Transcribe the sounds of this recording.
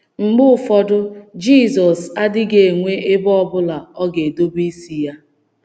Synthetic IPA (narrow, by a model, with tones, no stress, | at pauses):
ŋ͡m̩˨ɡ͡bʊ˦˨fɔ˦dʊ˦d͡ʒi˦˨zɔ˨sa˦dɪ˦ɡe˨ŋʷe˦ʔe˦bɔ˦bʊ˦la˨ɔ˦ɡe˨do˦bi˦si˨ja˦